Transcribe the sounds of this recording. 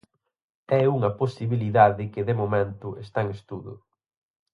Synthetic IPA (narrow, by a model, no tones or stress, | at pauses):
ɛuŋɐposiβiliðaðɪkɪðɪmomẽnt̪ʊʔest̪aŋest̪uðʊ̰